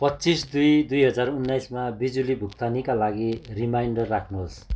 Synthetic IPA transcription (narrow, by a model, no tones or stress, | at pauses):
pʌtːt͡sisd̪ujd̪ujɦʌd͡zarunːajsmabid͡zulibʱukt̪anikalaɡirimajɳɖʌrːakʰnuɦos